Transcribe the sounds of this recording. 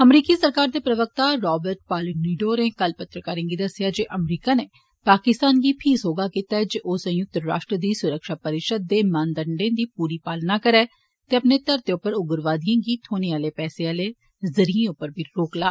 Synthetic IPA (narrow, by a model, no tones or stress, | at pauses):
əmɾiːkiːsəɾkaːɾd̪eːpɾəʋək̚t̪aːɾɔːbəɾʈ̚paːloniːɖoːɾeːkəlpət̪ɾəkaːɾẽːɡiːd̪əsːɪjaːd͡ʒeːʔəmɾiːkaːneː | paːkɪst̪aːnɡiːpʰiːsɦoːɡaːkiːt̪aːɛd͡ʒeːʔoːsə̃jʊk̚t̪ɾa̰ːʃʈɾəd̪iːsʊɾəkʃaːpəɾɪʃəd̪̚ːeːmãːnd̪əɳɖẽːd̪iːpuːɾiːpaːlnaːkəɾɛː | t̪eːəpneːt̪əɾt̪eːʊpːəɾʊɡəɾʋaːd̪ijãːɡiːt̪ʰoːneːaːleːpɛːseːaːleː | zəɾiẽːʊpːəɾbʱiːɾoːklaː